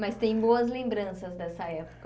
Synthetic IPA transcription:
mɐst̪ẽj̃boɐzlẽmbɾɐ̃sɐzd̪ɛsɐɛpo̥k

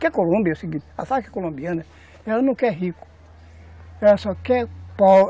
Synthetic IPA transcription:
kɛkolõbiɔsiɡia̰sakɛ̥kolõbianɛ | ɛanukɛɦiku̥ | ɛɔsɔkɛk͡pɔ

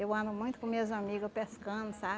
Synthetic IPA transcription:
ewɐ̃nd̪ʊmũj̃t̪ʊ̥kõmezamiɡʊpeskɐ̃nʊsa

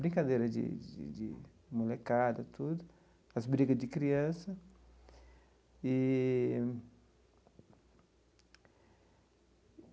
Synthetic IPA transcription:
bɾĩŋkad̪ejɾɐd͡ʒḭd͡ʒ̰d͡ʒḭ | mulekad̪ɐt̪ud̪ʊ | ɐzbɾiɡɐzd͡ʒɪkɾiɐ̃sɐ | i

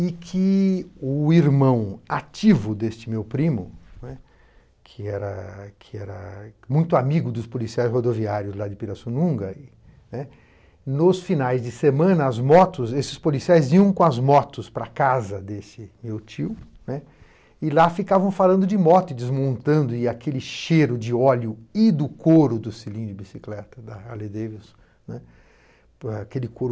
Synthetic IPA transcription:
ɪkʰɪʊiɾmɐ̃w̃at͡ʃivʊd̪est͡ʃɪmewpɾĩmʊnɛ | kʰɪɛɾɐkʰɪɛɾɐmũj̃t̪ʊamiɡʊd̪ʊspolisiajshod̪oviaɾjʊzlad͡ʒɪpiɾɐsunũŋɡɐ | nɛ | nʊsfinajzd͡ʒɪsemɐ̃nɐːzmɔt̪ʊzesɪ̥spolisiajziɐ̃w̃kõɐzmɔt̪ʊspɾɐ̰kazɐd̪esɪmewt͡ʃiʊ | nɛ | ɪlafikavɐ̃w̃falɐ̃nd̪ʊd͡ʒɪmɔt̪ʊɪd̪ɪzmõnt̪ɐ̃nd̪ʊɪakʰelɪʃeɾʊd͡ʒɪɔljʊɪd̪ʊkoɾʊd̪ʊsilĩd͡ʒɪbisiklɛt̪ɐd̪ɐaled̪evis | nɛ | akelɪkoɾʊ

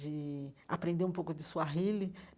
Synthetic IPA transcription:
d͡ʒɪa̰pɾẽnd̪eɾũpowkʊd͡ʒɪsuɐɦilɪ

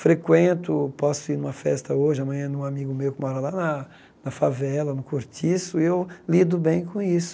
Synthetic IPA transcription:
fɾekwẽnt̪ʊpɔsʊiɾnũmɐfɛst̪ɐoʒɪɐmɐ̃jɲɐ̃d̪ũamiɡʊmewkɪmɔɾɐlanɐ | nɐfavɛlɐnʊkoɾt͡ʃisʊewlid̪ʊbẽj̃kõisʊ̥

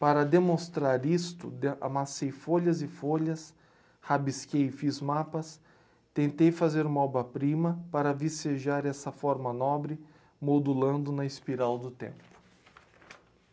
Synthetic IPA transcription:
paɾɐd̪emõst̪ɾaɾist̪ʊ̰d̪a̰masejfoʎɐzɪfoʎɐs | habiskejfizmapɐs | t̪ẽnt̪ejfazeɾũmɐɔbɐpɾĩmɐpaɾɐviseʒaɾɛsɐfɔɾmɐnɔbɾɪ | mod̪ulɐ̃nd̪ʊnɐispiɾawd̪ʊt̪ḛ̃mpʊ̥

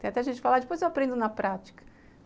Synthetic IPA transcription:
ẽat̪ɛɐaʒẽnt͡ʃɪ̥falad͡ʒɪpojzewapɾẽnd̪ʊnɐpɾat͡ʃi̥kɐ̥

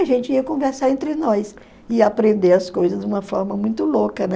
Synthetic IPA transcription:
aʒẽnt͡ʃɪiɐkõveɾsaɾẽnt̪ɾɪnɔs | ɪapɾẽnd̪eɐskojzɐzd̪ũmɐfɔɾmɐmũj̃t̪ʊlokɐnɛ

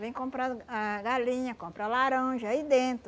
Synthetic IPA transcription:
vẽj̃kõmpɾɐaɡalĩɲɐkõmpɾɐlaɾɐ̃ʒɐid̪ẽt̪ɾʊ

